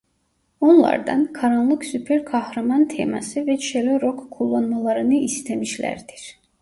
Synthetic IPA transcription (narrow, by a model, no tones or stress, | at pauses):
o̞nlˠɑ̰ɾd̪ɑ̰nkʰɑɾanlˠɯksypʰeɾkʰɑhɾamɑnt̪ʰḛmɑ̰sivɛt͡ʃʰeløɾokkʰulˠːɑnmɑlˠɑɾɯnɯist̪ʰæmiʃlæ̰ɾd̪̥iɾ̥